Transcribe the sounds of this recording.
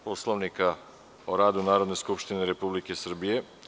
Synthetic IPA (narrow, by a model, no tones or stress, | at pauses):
poslˠoʋnika | oɾaːd̪unaːɾo̞d̪ne̞skupʃt̪ineɾe̞publike̞sr̩bije̞